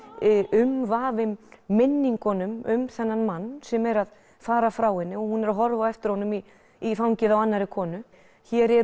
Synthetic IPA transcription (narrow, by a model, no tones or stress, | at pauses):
ʏmvaːvɪmːɪnːiŋkɔnʏmʏ̰mθɛnːanmanːsɛmɛɾað | faːɾafɾawhɪnːɪɔɣhunːɛɾaɦɔɾvaɛft̪ɪɾ̥hɔnːʏmi | ifawɲcɪðawanːaɾɪkʰɔːnʏ | çɛːɾɛ